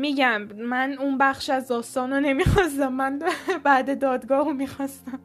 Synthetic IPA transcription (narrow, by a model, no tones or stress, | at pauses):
miːɟæmmænunbæχʃæzd̪ɒːst̪ɒːnone̞miːxɒːs̬t̪æmːænbæːd̪e̞d̪ɒːd̪ɡɒːhumiːxɒst̪æm